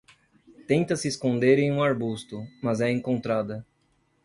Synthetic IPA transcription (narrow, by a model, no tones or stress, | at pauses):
t̪ẽnt̪ɐsɪeskõnd̪eɾẽj̃ũaɾbust̪ʊmɐzɛẽŋkõnt̪ɾad̪ɐ